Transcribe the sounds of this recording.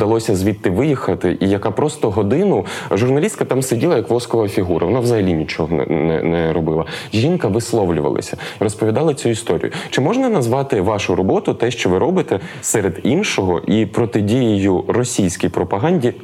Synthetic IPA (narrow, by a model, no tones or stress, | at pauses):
d̪ɐlˠɔsʲɐzʲʋʲit̪ːɪʋɪjixɐt̪ɪʔijɐkɑpɾɔst̪ɔɦɔd̪ɪnʊʒʊrnɐlʲist̪̚kɐt̪ɑmsedʲilˠɐjɐkʋlˠɔskɔʋɐɐfʲiɦuɾɐʋɔnɑʋzɐɦɐlʲinʲit͡ʃɔɦɔ̰nɛ̰nɛɾɔbɪlˠɐʒʲinkɐʋɪslˠɔʋlʲʊʋɐ̰lˠɐ̰sʲɐiɾɔspɔʋʲid̪ɑlˠɐt͡sʲuist̪ɔɾʲḭjʊt͡ʃɪmɔʒnɐnɐzʋɑt̪ɪʋɑʃʊɾɔbɔt̪ʊt̪ɛʃt͡ʃɔʋɪɾɔbɪt̪ɛsɛɾed̪inʃɔɦɔʔipɾɔt̪ɪdʲijɪjʊrɔsʲijsʲkʲijpɾɔpɐɦɑnʲdʲi